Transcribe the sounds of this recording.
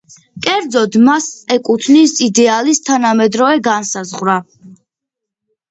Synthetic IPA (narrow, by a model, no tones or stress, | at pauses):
kʼɛɾd̪zɔd̪masʼɛkʼut̪ʰnisid̪ɛalist̪ʰanamɛd̪ɾɔvɛɡansazʁwɾa